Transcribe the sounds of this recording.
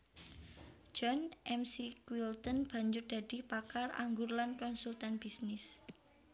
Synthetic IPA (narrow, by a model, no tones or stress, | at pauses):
d͡ʒ̥ɔnʔɛmsikwilt̪ɔnb̥a̤ɲd͡ʒʊrd̥̪a̤d̥i̤pakara̰ŋɡurlankɔnsult̪anb̥isnɪs